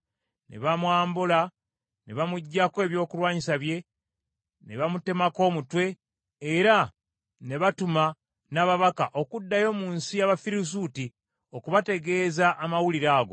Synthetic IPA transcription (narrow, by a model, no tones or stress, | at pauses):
ne̞̰βamwaːmbula | ne̞βamuɟːakwe̞ːβjo̞ːkulwaːɲisaβje̞ | ne̞βamute̞mako̞ːmutwe̞ː | ɾa | ne̞βatuma | naːβaβakaʔo̞kudːajo̞ːmuːnsijaβafiɾus̬uti | o̞kuβate̞ɡe̞ːzaʔːmawuliɾaːɡo̞